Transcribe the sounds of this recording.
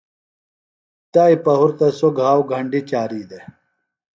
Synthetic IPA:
t̪aipɐɦuɾt̪ɐsoɡʱaːwɡʱɐɳɖit͡ɕaːɾiːd̪e

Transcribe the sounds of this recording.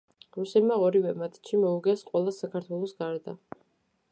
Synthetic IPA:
ɾusɛd̪maɔɾivɛmat̪ʰʃimɔuɡɛsqʼwɛlˠasakʰaɾt̪ʰwɛlˠɔsɡaɾd̪a

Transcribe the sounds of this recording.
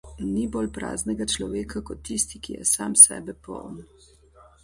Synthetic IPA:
nibolpɾa̰ːznɛɡat͡ʃlɔʋeːkʰakɔt̪ːist̪ikijɛ̰saːmsɛ̰ːbɛpɔ̰wn

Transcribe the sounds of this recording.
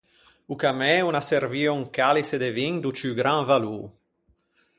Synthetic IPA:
ukamɛunaserviuŋkalised̪eviŋd̪ut͡ʃyɡɾãŋvalu

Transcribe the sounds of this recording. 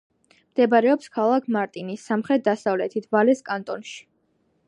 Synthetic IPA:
md̪̥ɛbaɾɛɔpskʰalˠakʰmaɾt̪ʼinisːamχɾɛt̪̚d̪asavlɛt̪ʰit̪ʰvalɛskʼant̪ʼɔnʃi̥

